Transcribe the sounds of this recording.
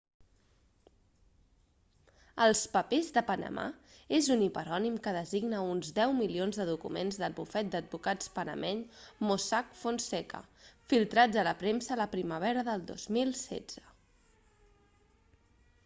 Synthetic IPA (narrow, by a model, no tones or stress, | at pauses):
əlˠspəpezðəpənə̰ma̰ezunipəɾɔnimkəðəziɡnəunzdɛwmilionzðəðukṵmḛnzðəd̪̚bufɛt̪̚d̪əd̪̚bukat͡spənə̰mʔɛʎmosakfonsɛkə̰filˠt̪ɾad͡zələpɾemsəːləpɾiməβɛɾəðəlˠd̪o̰zmilˠsɛ̰d͡z̥ə